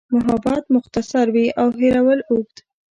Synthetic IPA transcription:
mʊɦɑbɑt̪mʊxt̪asaɾwiʔawɦeɾawəluɡ̚d̪

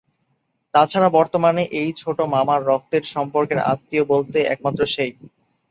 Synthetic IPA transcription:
t̪at͡ɕʰaɾabɔɾt̪omaneʔejt͡ɕʰoʈomamaɾːɔk̚t̪eɾʃɔmpoɾkeɾa̰t̪ːiobolt̪eʔɛ̰k̚mat̪ːɾoʃej

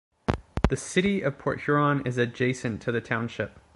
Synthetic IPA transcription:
ðɨsɪɾiʔʌv̥pʰɔɹʔ̚hə˞ɑ̃nɪzɨd͡ʒeɪsɨ̃ntʰɨðɨtʰãʊ̃nʃɪp̚

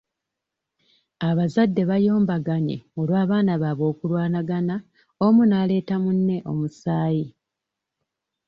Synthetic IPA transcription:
aβazadːe̞βajo̞ːmbaɡaɲe̞̰o̞lwaːβaːnaβaβo̞ːkulwaːnaɡana | omunaːle̞ːtamunːe̞ʔo̞̰musaːji

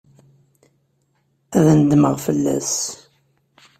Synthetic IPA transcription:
æðnəd̪məʁfəlːæ̰s

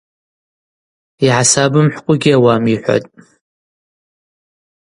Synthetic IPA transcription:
iʕasabɨmħʷkʷʼʊɡʲiawamiħʷa̰tʼ

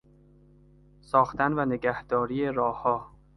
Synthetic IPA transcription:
sɒːxt̪ænvæneɡæhd̪̥ɒːɾiːjeɾɒːhɒː

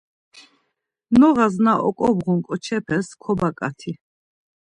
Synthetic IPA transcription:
nɔʁaznaʔɔ̰kʼɔbʁɔŋkʼɔt͡ʃʰɛpʰɛskʰɔbakʼa̰t̪ʰi

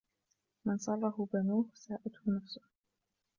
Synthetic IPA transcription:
mɪnsˤɑlˤːɑhʊbanuːhsaːʔat̪hʊnafsʊh

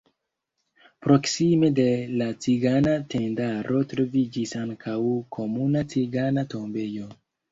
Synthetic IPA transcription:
pɾo̞ksime̞de̞lat͡siɡanatendaɾʔo̞tɾo̞vid͡ʒisaŋkʰawkʰo̞munat͡siɡanato̞mbe̞jo̞

